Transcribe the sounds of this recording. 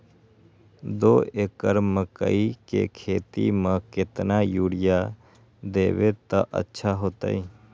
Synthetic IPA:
d̪oːeːkəɾməkə̰ikḛkʰeːt̪imãkɪt̪najuːɽɪja | d̪eːʋet̪aʔə̰tːʃʰaɦoːt̪a̰iː

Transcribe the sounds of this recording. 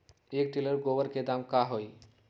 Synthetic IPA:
ekʈiləɾɡoʋəɾked̪amkaɦoj

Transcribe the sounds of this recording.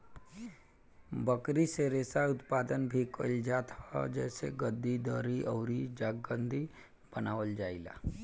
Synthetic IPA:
bəkɾiseɾeːsaʊt̪paːd̪ənbʱikəld͡ʒaːt̪hɔ̰d͡ʒɛːseɡəd̪ːid̪ɔːɾiʔɔːɾid͡ʒaːɡɡə̃nd̪ʱi | b̥ənaːʋəld͡ʒaːila̰ː

